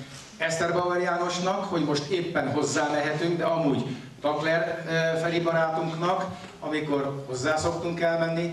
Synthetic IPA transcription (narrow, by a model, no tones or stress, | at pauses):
ɛst̪ɛrbɒvɛɾjaːno̞ʃnɒkho̞ɟmo̞ʃt̪eːpːɛnɦo̞zːaːmɛɦɛt̪yŋɡd̪ɛɒmuːɟ | t̪ɒklɛrfɛlibɒɾaːt̪uŋknɒk | ɒmiko̞rho̞zːaːso̞kt̪uŋkɛlmɛnːi